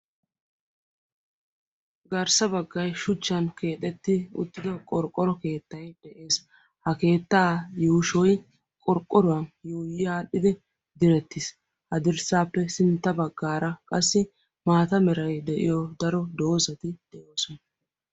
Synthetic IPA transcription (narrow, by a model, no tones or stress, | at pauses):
ɡɐɾsɐbɐɡːɐjʃʊt͡ʃːɐnke̞ːt̪ʼɛt̪ːɪʊ̰t̪ːɪd̪ɐkʼɔɾkʼːɔɾɔke̞ːt̪ːɐjd̪̥ɛʔe̞ːs | hɐke̞ːt̪ːaːjuːʃɔj | kʼɔɾkʼːɔɾʊwɐnjoːjɪjaːɗːɪd̪ɛ | d̪ɪɾɛt̪ːɪs | hɐd̪ɪɾsaːpːɛsɪnt̪ːɐbɐɡːaːɾɐkʼɐsːɪ | maːt̪ɐmɛɾɐjd̪ɛʔɪjɔd̪ɐɾɔd̪o̞ːzɐt̪ɪd̪̥ɛʔo̞ːsɔnɐ